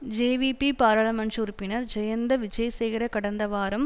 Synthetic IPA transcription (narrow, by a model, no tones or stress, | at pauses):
d͡ʒeːʋipipaːɾɐɭɐmɐnt͡ʃuɾɯpːɪnɐɾd͡ʒɛjɐnd̪ɐʋɪd͡ʒɐjɐsɛjɣɪɾɐkɐɽɐnd̪ɐʋaːɾɐm